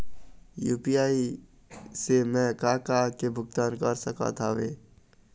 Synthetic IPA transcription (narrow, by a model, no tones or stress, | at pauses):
juːpijaːi | semɛ̃kaːkakebʱʊɡt̪aːnkəɾsəka̰t̪ʰaʋḛ̃ː